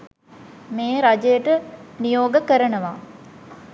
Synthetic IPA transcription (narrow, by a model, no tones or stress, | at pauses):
meːɾad͡ʒejəʈənijoːɡəkəɾənəʋaː